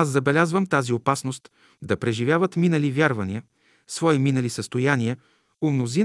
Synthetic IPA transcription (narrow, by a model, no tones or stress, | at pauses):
azːɐbɛlʲazvəmt̪aziopasnost̪ | d̪ɐpɾɛʒivʲjavət̪minəlivʲjaɾvɐniə | svɔiminəlisəst̪ojaniɛ | ʊmnozin